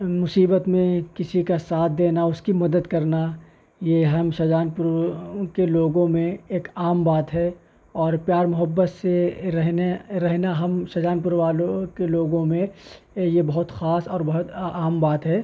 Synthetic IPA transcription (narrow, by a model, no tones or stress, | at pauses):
mʊsiːbət̪mẽkɪsikasaːt̪̚ʰd̪eːnaʊskimɐd̪əd̪kɐɾna | jeɦɐmʃɐd͡ʒaːnpʊɾkeloːɡõmẽeːkaːmbaːt̪ɦɛ | ɔːɾpjaːɾmʊɦəbːət̪seɾɛɦnɾɛɦnaɦɐmʃɐd͡ʒaːnpʊɾʋaːlõkeloːɡõmẽjebɐɦʊt̪xaːsɔːɾbɐɦʊt̪aːmbaːt̪ɦɛː